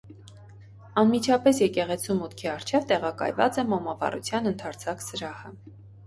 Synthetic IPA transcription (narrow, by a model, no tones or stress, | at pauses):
ɑnmit͡ʃʰɑpɛsjɛkɛʁɛt͡sʰumːut̪kʰiɑɾt͡ʃʰɛvt̪ɛʁɑkɑ̰jvɑ̰t͡sɛmɔmɑvɑ̰rṵt͡sʰjɑnənt̪ʰɑɾt͡sʰɑksəɾɑhə